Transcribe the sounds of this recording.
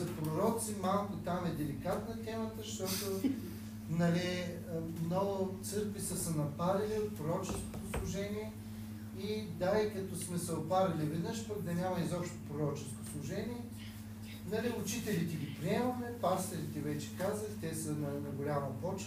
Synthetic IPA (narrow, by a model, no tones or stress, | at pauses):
ɐpɾʊɾɔt̪simalˠkʊt̪amɛd̪ɛlikat̪nət̪ɛmət̪əʃt̪ɔt̪o | nɐli | mnɔɡʊt̪sɤɾkvisəsənɐpaɾɐlʲiot̪̚pɾoɾɔt͡ʃɛsko̥t̪oslˠʊʒɛniɛ | id̪aikɐt̪ɔsmɛsɐopaɾɐlʲivɛd̪nɤʃpəɡd̪ɐnʲamɐizɔpʃt̪o̥pɾoɾɔt͡ʃɛskoslˠʊʒɛnʲiɛ | nɐliʊt͡ʃit̪ɛlit̪ɛɡʲipɾiɛmɐmɛpaɾst̪ɛɾit̪ɛvɛt͡ʃɛ̥kazət̪ɛsənɐnɐɡolʲamɐpɔt͡ʃ